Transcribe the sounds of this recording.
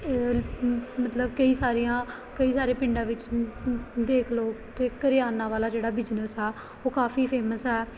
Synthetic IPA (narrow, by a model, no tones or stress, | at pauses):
mət̪ləbkəiːsaːɾijãː | kəiːsaːɾeːpɪ̃ɳɖãːʋɪt͡ʃ | d̪eːkʰloːt̪eːkəɾɪjaːnãːʋaːlaːd͡ʒeːɽaːbɪd͡ʒnəsɦɛː | oːkaːfiːpʰeːməsɦɛː